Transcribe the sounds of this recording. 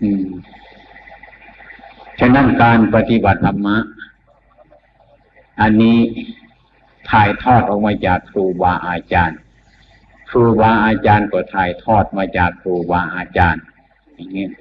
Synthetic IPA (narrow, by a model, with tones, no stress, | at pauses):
ʔɯː˧˩m | t͡ɕʰnːa˥˨nkaː˧npa˧t̪i˧ba˨˩t̪̚la˧mːa˧˥ʔ | ʔa˧nːiː˦˥˨ | t̪ʰaː˨˩jt̪ʰɔː˧˩t̪̚ʔɔː˨k̚maː˧t͡ɕaː˨˩kːʰɾuː˧waː˧ʔaː˧t͡ɕaː˧n | kʰɾuː˧waː˧ʔaː˧t͡ɕaː˧nkɔː˧˩t̪ʰaː˨˩jt̪ʰɔː˧˩t̪̚maː˧˥t͡ɕaː˨˩kːʰɾuː˧waː˧ʔaː˧t͡ɕaː˧n | a˨˩ŋi˧˥˨